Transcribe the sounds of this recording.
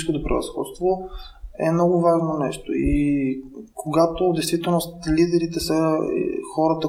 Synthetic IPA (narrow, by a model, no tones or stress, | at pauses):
skot̪opɾə̰vɐ̰sxɔ̰t̪st̪vo | ɛmnɔɡʊvaʒnonɛʃt̪o̰ii | kʰoɡat̪od̪ɛjst̪vit̪ɛlˠnost̪lid̪ɛɾit̪ɛsə̰xɔɾət̪ə